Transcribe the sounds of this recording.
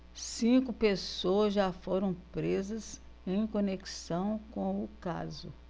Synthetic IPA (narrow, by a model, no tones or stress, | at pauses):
sĩkʊpesoɐzʒafoɾɐ̃w̃pɾezɐz | ẽj̃koneki̥sɐ̃w̃kõw̃ʊka̰zʊ